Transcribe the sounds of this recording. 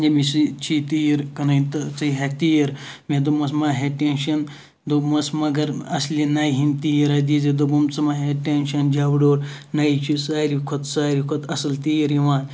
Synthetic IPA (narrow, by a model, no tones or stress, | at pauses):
d͡ʒɐmisɨt͡ʃʰit̪ijiɾkɐnɐt̪ɐt͡sɨɦet̪ijiɾmed̪umɐsmaːɦeʈenʃɐn | d̪omɐsmɐɡɐɾɐslʲinaːjɦint̪ijiɾɐd̪izid̪ubumt͡sɨmaɦeʈenʃɐnd͡ʒaːwɖoːɾ | naːit͡ʃʰisaːɾikʰot̪saːɾikʰot̪ʰɐsɐlt̪ijiɾjiʋaːn